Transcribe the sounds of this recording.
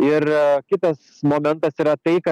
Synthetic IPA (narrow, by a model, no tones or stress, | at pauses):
ɪɾkʲɪt̪ɐs | moːmʲɛnt̪ɐsiɾɐt̪ɐɪkɐ